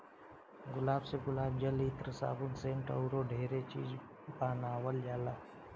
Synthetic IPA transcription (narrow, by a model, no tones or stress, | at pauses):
ɡʊlaːbseɡʊlaːbd͡ʒəlit̪ɾəsa̰ːbʊnseːnʈə̰ʊɾoɖʱeːɾet͡ʃḭːd͡ʒ | paːnaːwəld͡ʒaːlaː